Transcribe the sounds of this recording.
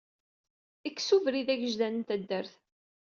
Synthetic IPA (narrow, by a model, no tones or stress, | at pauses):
ikːsuvɾiðæʝəʒðænənt̪æd̪ːəɾθ